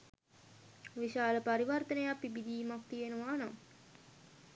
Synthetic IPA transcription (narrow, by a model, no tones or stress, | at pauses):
ʋiʃaːləpaɾiʋərt̪ənəjapibid̪iːmak̚t̪ijenəʋaːnam